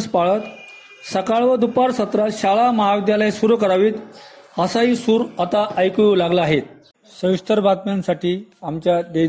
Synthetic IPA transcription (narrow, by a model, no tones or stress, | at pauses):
spaɭət̪ | səkaɭʋəd̪upaɾsət̪ɾaɕaɭaməɦaʋid̪jalajsuɾukəɾaʋiːt̪ | həsaiːsuːɾət̪aʔəjkulaɡlaaɦet̪̚ | səʋist̪əɾbʱat̪mjansaʈiːamt͡ɕjad̪e